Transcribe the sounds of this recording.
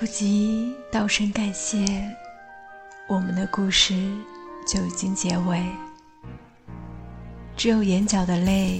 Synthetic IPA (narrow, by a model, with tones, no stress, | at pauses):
u˥˩t͡ɕi˧˥t̪ɑ˥˧ʊʂə˥nka˨˩nɕjɛ˥˩ | wɔ˨˩mə˦nd̪ə˧ku˥˧ʂɻ̩˥˩t͡ɕjo˥˩ʊi˨˩t͡ɕi˥ŋt͡ɕjɛ˧˥we˨˧˩ɪ | ʈ͡ʂɻ̩˧˥jo˨˩ʊjɛ˧˥nt͡ɕjɑ˨˩ʊd̪ə˦le˥˩ɪ